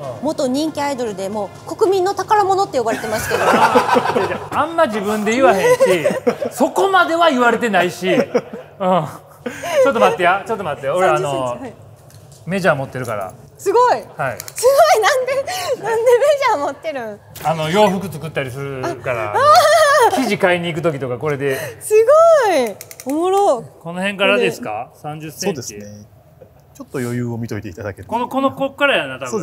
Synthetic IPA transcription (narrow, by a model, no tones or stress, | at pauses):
mo̞t̪o̞ɲ̟ĩŋkʲiaid̪o̞ɾɯ̟d̪e̞mo̞ː | ko̞kɯ̟mʲĩnːot̪akaɾamo̞not̪ːe̞jo̞baɾe̞t̪e̞masɨ̥ke̞d̪oeaãmːaʑibɯ̟̃nd̪e̞jɯβaɦẽ̞ɕiso̞ko̞mad̪e̞βaiβaɾe̞t̪e̞naiɕi | ɯ̃ː | o̞t̪ːomat̪ːejat͡ɕo̞t̪ːomat̪ːejaoɾeano̞ | me̞ʑaːmo̞t̪ːe̞ɾɯ̟ka̰ɾa̰ | sɨɡo̞ihaḭsɨɡoinãnd̪enãnd̪emeʑaːmot̪ːeɾɯ̃ | ano̞jo̞ːɸɯkɯ̟t͡sɨkɯt̪ːaɾʲisɨɾɯkaɾa̰akʲiʑikaiɲ̟iːk̬ɯ̟t̪o̞kʲit̪o̞kako̞ɾe̞d̪e̞sɨɡoiomoɾoko̞no̞hẽ̞ŋkaɾad̪e̞sɨ̥ka̰sãɲd͡ʑɨsẽd̪et͡ɕie | t͡ɕot̪ːojojɯːomʲit̪o̞it̪e̞it̪ad̪a̰keɾkonoko̞nokokːaɾajanat̪aoː